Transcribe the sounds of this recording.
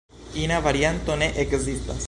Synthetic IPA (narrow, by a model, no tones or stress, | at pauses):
inavaɾjant̪oneʔekzist̪a̰s